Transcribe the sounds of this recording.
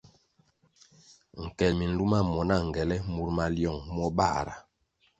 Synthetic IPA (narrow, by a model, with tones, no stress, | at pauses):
ŋ̩˨kɛ˨lmi˨n̩˦lu˦ma˦˨mɔ˨na˦˨ŋ˨ɡɛ˨lɛ˦mu˨ɾma˨ljɔ˦˨ŋmɔ˦ba̰˦˨ɾa̰˨